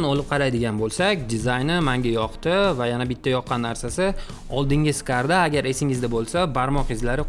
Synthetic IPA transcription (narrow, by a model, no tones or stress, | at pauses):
nɒlˠɪp̚qʰɑɾajd̪ɪɡʲanbolˠsakʲd̪ɪzajnɪmaŋɡʲajɒqt̪ɪvajanabɪt̪ʰːajɒqːɑnːaɾsasɪ | ɒlˠd̪ɪŋʲɪskaɾd̪aːɡʲaɾe̞sɪŋɪzd̪abolˠsabaɾmɒqjɪzlaɾɪ